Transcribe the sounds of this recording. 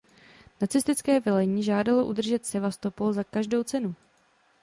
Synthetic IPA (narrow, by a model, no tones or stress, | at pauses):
nat͡sɪst̪ɪt͡skɛːvɪlɛɲiːʒaːdalo̞ʔud̪r̩ʒɛt̪sɛvast̪o̞polzakaʒdo̞wt͡sɛnu